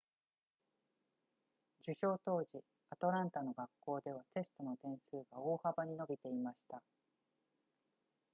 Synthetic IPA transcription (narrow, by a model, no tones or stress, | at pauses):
d͡ʑɨɕo̞ːt̪o̞ːʑi | at̪o̞ɾãnt̪ano̞ɡakːo̞ːd̪e̞β̞at̪e̞sɨ̥t̪o̞no̞t̪ẽ̞ɰ̃sɨːɡao̞ːhabaɲ̟ino̞bʲit̪e̞imaɕi̥t̪a